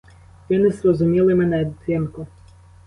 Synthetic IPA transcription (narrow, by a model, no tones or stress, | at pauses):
ʋʲɔnɪsɾɔzʊmʲilˠɪmɛnɛd̪sɪnkʊ